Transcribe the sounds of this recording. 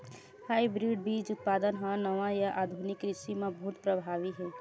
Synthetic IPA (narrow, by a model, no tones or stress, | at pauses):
hajbɾiɖ̚bid͡ʒut̪̚pad̪ənɦə̃nəʋajaʔad̪ʱunikɾisimebut̪pɾəbʱaʋiɦe